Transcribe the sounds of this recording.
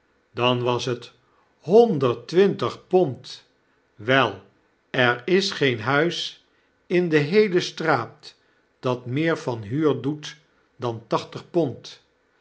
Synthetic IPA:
dɑnʋɑsɦət | ɦɔndəɹtʋɪntəχpɔnt | ʋɛlˠ | ɛɹɪsχejnɦœɥs | ɪndəɦejləstraːp | d̥ɑtmɪːɹvɑnɦyːɹdut | dɑntɑχtəχpɔnt

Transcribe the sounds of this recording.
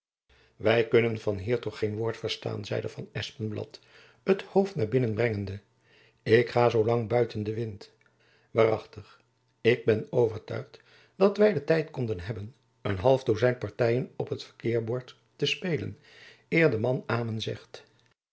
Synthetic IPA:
ʋɛjkɵnənvɑnɦiːɹtɔχejnʋʊːɹtfəɹsta̰ːnzɛ̰jdəv̥ɑ̰nɛspənblɑ̰t | əthowftnaːɹbɪnənbrɛŋəndə | ɪkχaːzowlɑŋbœɥtəndəʋɪnt | ʋaːrɑχtəχ | ɪɡ̚bɛnowvəɹtœ̰ɥχt | d̥ɑtʋɛjdətɛjtkɔndənɦɛbən | ənɦɑlˠvdozɛjnpɑɹtɛjənɔpɦətfəɹkɪːɹbɔɹtː | əspejlə̰n | ɪːɹdəmɑnaːmənzɛ̰χt

